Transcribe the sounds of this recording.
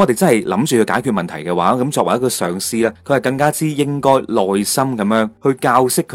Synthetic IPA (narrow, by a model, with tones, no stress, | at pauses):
ɔ˨˧t̪e˨jt͡sɐ˥nhɐ˨jlɐ˨˥mt͡ʃyː˨kʰɵ˧kaː˨˥jkʰyː˨˧t̚mɐ˨nt̪ʰɐ˨˩jkɛː˧waː˨˥kɐ˨˦mt͡sɔː˧k̚ɐ̰˨˩jɐ˥kɔː˧sœː˨˩ŋsiː˥lɛː˥kʰɵ˧hɐ˨˩kɐ˧ŋkaː˥t͡siː˥jɪ˥ŋkɔː˥jlɔː˨jsɐ˥mkɐ˨˧˦mjœː˨˥ŋhɵ˧kaː˧wsɪ˥kʰː